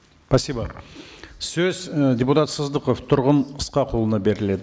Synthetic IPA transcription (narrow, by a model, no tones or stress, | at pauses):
pʰɑsʲibɑ | sɵzd̪ʲeput̪ɑt̪səzd̪əqoft̪ʰʊɾʁənəsqɑqʰo̞lˠənɑbe̞ɾɪle̞d̪ɪ